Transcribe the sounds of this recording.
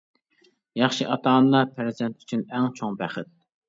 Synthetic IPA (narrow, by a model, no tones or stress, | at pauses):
jɑχʃiʔɑt̪ʰɑːnlˠɑpʰɪɾzd̪ɛnt̪ʰy̥t͡ʃʰynɛŋt͡ʃʰoŋbæχɪt̪̚